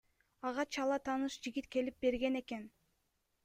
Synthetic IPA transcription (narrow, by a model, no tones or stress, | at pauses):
ɑʁɑt͡ʃʰɑlˠɑt̪ʰɑnɯʃd͡ʒiɡʲit̪ke̞lip̚be̞ɾɡe̞ne̞ke̞n